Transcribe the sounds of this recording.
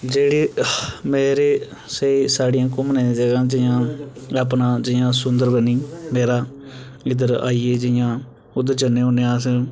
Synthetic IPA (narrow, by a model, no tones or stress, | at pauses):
d͡ʒeːɽiːmeːɾeː | seiːsaːɖijãːkʊmnẽːd͡ʒəɡãːd͡ʒɪjãːaːp̬nãːd͡ʒɪjãːsʊnd̪əɾbəniːmeːɾaː | ɪd̪əɾaːiːeːd͡ʒɪjãː | ʊd̪əɾd͡ʒənẽːoːneãːs